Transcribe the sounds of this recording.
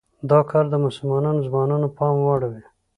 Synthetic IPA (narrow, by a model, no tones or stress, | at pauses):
d̪ɑkʰɔɾd̪əmʊsʊlmɑnɑnozmɑnɑnopɑmwɑɽawe